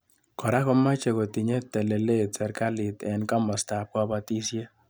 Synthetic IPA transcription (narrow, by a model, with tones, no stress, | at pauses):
kɔ˨ɾa˦kɔ˦ma˦t͡ʃe˨ko˨ti˨ɲe˦tːɛ˨le˨le˦˨sɛ˨ɾka˦li˨tɛ˨nka˦mɔ˨sta˨p̚ka˦ba˦ti˦sje˦